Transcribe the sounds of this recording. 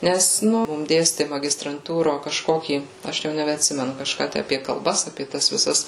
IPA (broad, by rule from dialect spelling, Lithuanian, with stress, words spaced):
nʲɛs ˈnʊ ˈmʊm ˈdʲeːsʲtʲɪ mɐɡʲɪstrɐnˈtuːroː kɐʃˈkoːkʲiː ˈɐʃ jɛʊ nʲɛbʲɛɐtʲˈsʲɪmʲɛnʊ kɐʃˈkɑː ˈtʲæ ɐpʲiɛ kɐlˠˈbɐs ɐpʲiɛ ˈtɐs ʋʲɪˈsɐs